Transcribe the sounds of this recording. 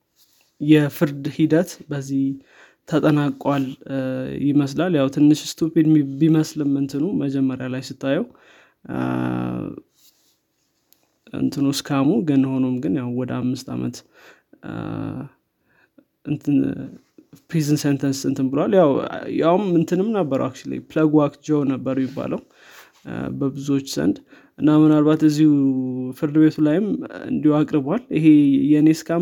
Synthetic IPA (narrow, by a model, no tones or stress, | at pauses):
jɛfɨɾd̪hid̪ət̪bəzːih | t̪ʰːət̪ʼənakʼwal | jɪməslaljawt̪ʰɨnːɨʃst̪ʰuped̪biməslɨmɨnt̪ʰɨnuməd͡ʒɛmːəɾjalajsɨt̪ʰːajɛw | ɨ̰nt̪ʰɨnoskʰamuɡənho̞nomɡɨnjawwɔd̪əamːɨst̪ʰa̰mə̰t̪ | ɨnt̪ʰɨ | pʰɾizɨnsent̪ʰənsɨnt̪ʰɨnbɨləwaljawja̰wmːɨnt̪ʰɨnɨmnəbːəɾə̰wak̚t͡ʃila̰jpləɡwakd͡ʒəwnəbːəɾmːɪbːa̰ləw | bəbɨzuo̞t͡ʃːz̥ə̰nd̪ | ʔɨnːamɨnalβat̪ɨzːihufɨɾd̪ɨβe̞t̪ʰulajɪmɨ̰nd̪ihwakʼɾɨbwaliɦejɛneskʰam